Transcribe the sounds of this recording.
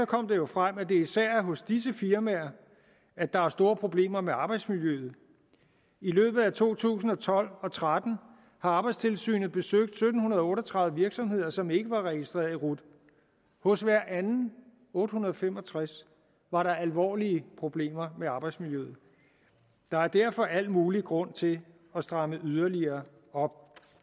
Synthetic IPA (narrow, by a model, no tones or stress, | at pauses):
sɒ̽kʰɒ̽m̰d̥e̝jo̝fʁam̰æd̥e̝isæɐ̰ɦɔ̽sd̥is̬əfiɐmæɐ | æd̥ɑ̈æsd̥o̝ːɐpʰʁo̝b̥le̝̰ːmɐmeɑ̈ːb̥ɑɪd̥smiljøːð̞̩ˠ | ilø̰ːb̥ð̩ˠæt͡sʰo̝̰ːt͡sʰṵːsn̩ɒ̽t͡sʰɒ̽l̰ɒ̽t͡sʰʁad̥n̩ | hɑ̈ɑ̈ːb̥ɑ̈ɪd̥st͡sʰe̝lsy̰ːnð̩ˠb̥e̝søɡ̥̚d̥sød̥n̩hunɐð̞̩ˠɒɔ̽ːɾɒt͡sʰʁɑ̈ð̩ˠəʋiɐɡ̥sɒ̽mhe̝ð̞̰ˠɐsɒ̽me̝ɡ̥əʋɑ̈ʁɛɡ̥isd̥ʁḛːɐðˠiʁud̥ | hɔ̽sʋæɐ̰ænn̩ | ɔ̽ːd̥hunɐð̞ˠɒfemɒ̽t͡sʰʁas | ʋɑ̈ɾɑ̈ælʋɒ̰ːliəpʰʁo̝b̥le̝̰ːmɐmeɑ̈ːb̥ɑ̈ɪd̥smiljøð̩ˠ | d̥ɑ̈æɐd̥æɐ̰fɒ̽ʔæl̰muːliɡ̥ʁɔ̽n̰t͡sʰe̝ | ɒ̽sd̥ʁɑ̈məyð̞ˠɐliɐː | ɒ̽b̥̚